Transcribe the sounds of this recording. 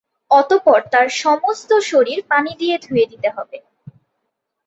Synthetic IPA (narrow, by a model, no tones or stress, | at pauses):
ɔt̪opɔɾt̪aɾʃɔmost̪oʃoɾiɾpanid̪ied̪ʱued̪it̪eɦɔbe